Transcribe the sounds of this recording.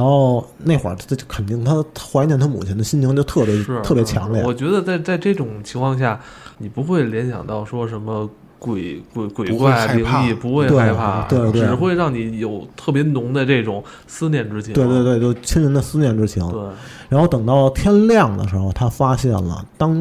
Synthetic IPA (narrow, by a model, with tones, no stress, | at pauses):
a˧˥nxo˥˧ʊne˥˩ɪwə̰˨˩ʈ͡ʂt͡ɕkʰə˨˩nt̪i˥˩ŋt̪ʰa˥xwa˧˥nt͡ɕjɛ˧˥nt̪ʰa˥mṵ˨˩t͡ɕʰɛ˧˥nd̪ə˧ɕi˥nt͡ɕʰŋt͡ɕjo˥˧ʊt̪ʰɤ˥˩jɛ˧˥˧ɤ˥˩pjt͡ɕʰjɑ˧˥ŋli˥˧˨wɔ˨˩t͡ɕɥɛ˧˥d̪ə˧t͡sa˥˧ɪt͡sa˥˧ɪʈ͡ʂɤ˥˩ʈ͡ʂʊ˨˩ŋt͡ɕʰi˧˥ŋkʰwɑ˥˧ŋɕ̬ja˥˩ | ni˨˩pu˧˥xwe˥˩ɪljɛ˧˥nɕjɑ̰˨˩ŋt̪ɑ˥˩ʊʂwɔ˥ʂə˧˥nmə˧ | kwe˨˩ɪkwe˧˩ɪkwe˨˩ɪkwa˥˩ɪ˥˧i˧˥ŋ˥i˥˩pu˧˥xwe˥˧ɪt̪we˥˩˧ɪpʰa˥˩t̪we˥˧t̪we˧ɪ˩xwe˥˧ɪɻɑ˥˩ŋni˧˥jo˨˩ʊt̪ʰɤ˥˩pjɛ˧˥nʊ˧˥ŋd̪ə˧ʈ͡ʂɤ˥˩ʈ͡ʂʊ˨˩˦ŋ | sɹ̩˥njɛ˥˩nʈ͡ʂɻ̩˥t͡ɕ̪ʰwɪt̪wt̪we˥˧t͡ɕjo˥˧˩t͡ɕʰi˥nɻə˧˥nd̪ə˧˨sɹ̩˥njɛ˥˩nʈ͡ʂɻ̩˥t͡ɕʰi˧˥ŋ˥˩ | ɻa˧˥nxo˥˧ʊt̪ɤ˨˩ŋt̪ɑ˥˩ʊt̪ʰjɛ˥nljɑ˥˩ŋd̪ə̰˩ʂɻ̩˧˥xo˧ʊt̪ʰa˥fa˥ɕjɛ˥˩nlə̰˩t̪ɑ˥ŋ